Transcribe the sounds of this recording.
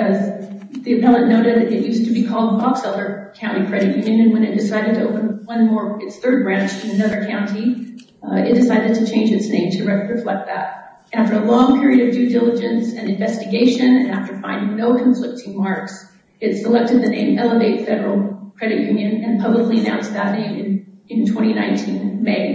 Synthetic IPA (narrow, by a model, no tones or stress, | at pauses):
ʌz | ðiɨpʰɛlˠə̃nnoʊɾɨd̪̚ðɨɾɨʔ̚jʉstʰɨbikʰɔlˠd̚bɑksɛlˠə˞kʰãʊ̃ntikʰɹ̥ɛɾɨʔ̚jʉ̃njɨ̃nɨ̃nwɨ̃ñɨt̚d̥ɨsaɪɾɨd̚tʰɨoʊpə̃nwʌ̃nmɔɹɨtsθɜ˞d̚bɹæ̃nt͡ʃʰɨɨnʌðə˞kʰãʊ̃nti | ɪ̰t̚d̥ɨsaɪɾɨd̚tʰɨt͡ʃʰẽɪ̃nd͡ʒɨtsnẽɪ̃mtʰɨɹɨɹɨflɛk̪̚ðæ̰t̚ | ʔæftə˞əlɔ̃ŋpʰɪɹiɨɾʌvdʉdɪlˠəd͡ʒɨ̃nsɨ̃nɨ̃ɱvɛstɨɡeɪʃɨ̃nɨ̃næftə˞fãɪ̃ndɪ̃ŋnoʊkʰɱflɪk̚tʰɨ̃ŋmɑɹks | ɨtsəlɛk̚tɨd̪̚ðɨnḛ̃ɪ̃mɛlˠəveɪtfɛɾə˞l̩ˠkʰɹ̥ɛɾɨʔjʉ̃njɨ̃nɨ̃npʰʌbləkliɨnã̰ʊ̃nsðətⁿnẽɪ̃mɨ̃nɨ̃ntʰw̥ɛ̃ɾ̃inã̰ɪ̃ntʰĩnmeɪ